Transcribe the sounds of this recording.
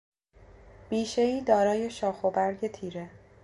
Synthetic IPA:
b̥iːʃeiːd̪ɒːɾɒːje̞ʃɒːxobæɾɟe̞t̪ʰiːɾe

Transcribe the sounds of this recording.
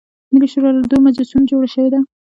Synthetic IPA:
mɪliʃoɾɑlad̪omad͡ʒasund͡ʒoɽaʃəwed̪a

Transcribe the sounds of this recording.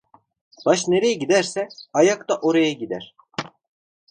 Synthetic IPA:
b̥aʃneɾejɛɟid̪æɾsɛajakt̪aʔo̞ɾajaɟid̪æɾ̥

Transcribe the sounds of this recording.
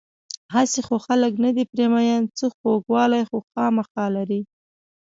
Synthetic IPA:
hasexoxaləknad̪ipɾemajant͡səxoɡwɑlajxoxɑmaxɑlaɾi

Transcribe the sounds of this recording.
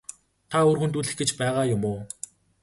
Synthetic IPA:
t̪ʰaoːrxɵ̆nt̪uɮɘ̆xɡet͡ɕpæːʁaːjʊmoː

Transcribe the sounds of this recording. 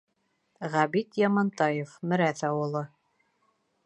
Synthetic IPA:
ʁæbit̪jɑmɑnt̪ɑjefmɘ̆ɾæθɑwɤ̆lˠɤ

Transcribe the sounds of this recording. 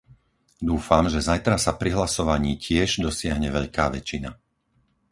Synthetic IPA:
d̪uːfamʒɛzajt̪ɾasapɾiɦlasɔʋaɲiːcɪɛʒd̪ɔsɪaɦɲɛʋɛʎkaːʋɛt͡ʃina

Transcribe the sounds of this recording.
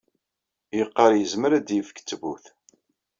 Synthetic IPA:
jəqːəɾjəzməɾæd̪jəfə̥kːt͡sːvuθ

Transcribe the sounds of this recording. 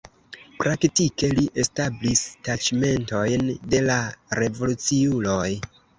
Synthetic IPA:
pɾaktike̞liʔe̞stablistat͡ʃme̞nto̞jnde̞laɾe̞vo̞lut͡siulo̞j

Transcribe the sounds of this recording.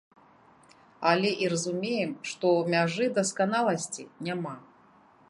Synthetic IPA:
alʲɛʔiɾɐzumʲejɛmʂt̪ɔmʲaʐɨd̪ɐskanalˠɐsʲt͡sʲḭnʲama

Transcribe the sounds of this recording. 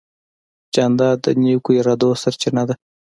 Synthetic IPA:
d͡ʒand̪ɑd̪ənekujɾad̪osaɾt͡ʃɪnad̪a

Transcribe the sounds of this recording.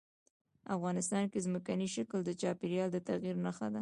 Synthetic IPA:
afɣɑnɪst̪ɑnkezməkaniʃakəld̪ət͡ʃɑpɪɾjɑld̪ət̪aɣiɾnaxad̪a

